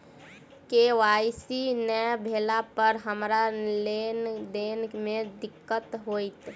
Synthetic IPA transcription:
keʋaːsinəbʱeːlapəɾɦəmɾalend̪eːnmẽd̪ɪkːət̪ɦoːit̪

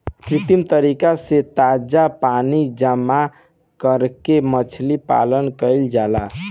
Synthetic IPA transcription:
kɾit̪imt̪əɾikaset̪ad͡ʒapanid͡ʒəmːa | kəɾkemət͡ʃʰlipa̰lənkəɪld͡ʒala

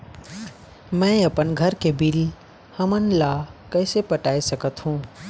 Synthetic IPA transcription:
mɛ̃əpənɡʱəɾkebil | həmənlakəɪsepəʈaːisəkət̪ɦũː

